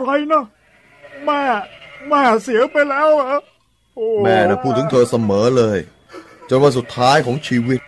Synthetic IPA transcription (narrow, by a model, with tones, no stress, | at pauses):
ɾa˧jnɔ˦˥˩ | maː˧˩maː˧˩si˨˩˦əpa˧jlɛː˦˥wʔa˧˦ | oː˨˩mɛː˧˩na˧˩pʰuː˥˩t̪ʰːɯ˩˦ŋt̪ʰəː˧sa˧mɤː˩˦lɤː˧j | t͡ɕo˧nwaː˧˩su˨˩t̪ʰːaː˦˥jkʰɔː˨˩˦ŋt͡ɕʰiː˧wi˦˧˩t̪̚